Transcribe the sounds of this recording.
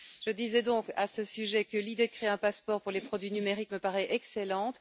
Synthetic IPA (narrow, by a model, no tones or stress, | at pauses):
ʒ̥əd̪izɛd̪ɔ̃ka̰səsyʒɛkəlid̪ed̪əkχeɛ̃paspɔʁpuʁlepχɔd̪ɥinymeʁikməpaʁɛʔɛkselɑ̃t̪